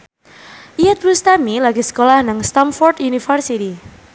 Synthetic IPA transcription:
ʔiɛt̪̚bust̪amilaɡisə̥kolahnaŋst̪amfɔrd̪unifərsit̪i

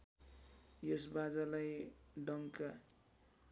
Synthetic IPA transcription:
jʌsbad͡zalajɖʌŋka

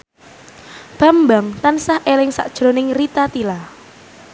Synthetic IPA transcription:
b̥a̤mbaŋt̪ansahʔelɪŋsa̰ʔd̥ʒ̥ɾo̤nɪŋrit̪at̪ila

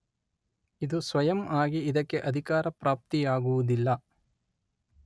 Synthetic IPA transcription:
id̪usʋɐjɐmaːɡiːd̪ɐkːe̞ʔɐd̪ʱikaːɾɐpɾaːp̚t̪ijaːɡuʋud̪ilːɐ

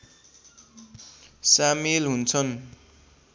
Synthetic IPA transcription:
samelɦunt͡sʰʌn

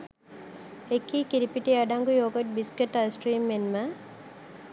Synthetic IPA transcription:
ekːiːkiɾipiʈiɐɖaŋɡujoːɡəʈ̚biskeʈːasʈɾiːmːenmə

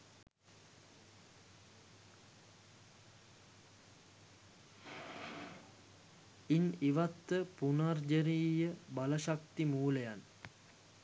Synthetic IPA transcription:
iniʋat̪ːəpunard͡ʒəɾiːjəbaləʃak̚t̪imuːləjan

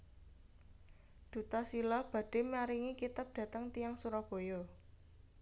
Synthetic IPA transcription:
d̪̥ṳt̪asilahb̥ä̤ɖ̥e̤mjaɾiŋikit̪ap̚d̥ä̤t̪əŋt̪ijaŋsuɾɔb̥o̤jɔ

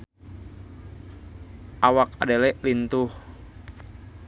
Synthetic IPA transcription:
ʔawaka̰delɛʔlint̪uh

